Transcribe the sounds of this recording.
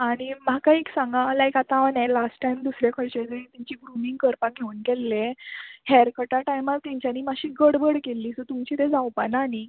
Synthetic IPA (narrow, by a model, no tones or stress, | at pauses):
aɽ̃im̤akaeksãŋɡãlajkat̪aʋənɛlasʈʈajmd̪usɾjakʰəɽt͡ɕed͡zəɾit̪aɲt͡ɕiːɡɾumĩŋɡ̚kəɾpaɡʱeuːnkɛlːehɛɾkəʈaʈajmat̪ãɲt͡ɕjaniːmaɕiːɡəɽbəɽkelːiːsət̪umt͡ɕiːt̪ẽd͡zawpanani